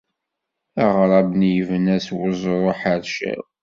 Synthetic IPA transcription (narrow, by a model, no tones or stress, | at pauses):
ɑʁɾˤɑbnjəvənæswəzˤɾˤoħaɾʃæ̰w